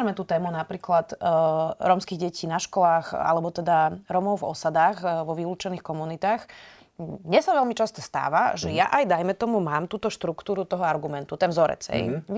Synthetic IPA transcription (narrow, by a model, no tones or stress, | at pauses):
mɛt̪uːt̪ɛːmunapɾiːklat̪ | ɾɔmskiɣɟɛcʰiːnaʃkɔlaːxa̰lɛbɔt̪ɛd̪aɾɔmɔʊvɔ̰sad̪aːɣʋɔʋiluːt͡ʃɛniːxkɔmunit̪aːx | ɲɛsaʋɛlmit͡ʃast̪ɔst̪a̰ːʋa̰ʒɛja̰ʔajd̪ajmɛt̪ɔmumaːmt̪uːt̪ɔʃt̪ɾukt̪uːɾut̪ɔɦɔaɾɡumɛnt̪ut̪ɛnzɔɾɛ̰d͡zhɛ̰j